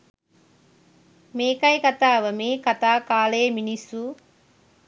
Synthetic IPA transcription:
meːkɐjkɐt̪aːʋɐmeːkɐt̪aːkaːleːminisu

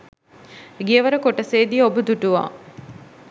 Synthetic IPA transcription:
ɡiəʋəɾəkoʈəseːd̪iobud̪uʈuʋa̰ː

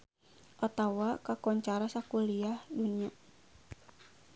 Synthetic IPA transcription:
ʔat̪awakakɔɲt͡ʃaɾasakuliahdunia

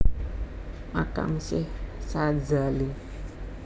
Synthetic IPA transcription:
maka̰msɪhsad͡ʒali

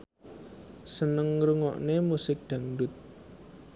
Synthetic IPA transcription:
sənəŋɾuŋɔ̰ʔnemusɪk̚d̪̥ä̤ŋdʊt̪̚

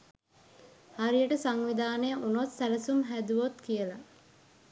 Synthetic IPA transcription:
haɾijəʈəsaŋʋid̪aːnejəʔunot̪sæləsumɦæd̪uʋot̪kijəla

